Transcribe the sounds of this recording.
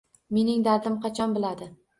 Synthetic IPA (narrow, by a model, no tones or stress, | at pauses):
me̞nɪŋd̪aɾd̪ɪmqʰɑt͡ʃʰɒnbɪlad̪ɪ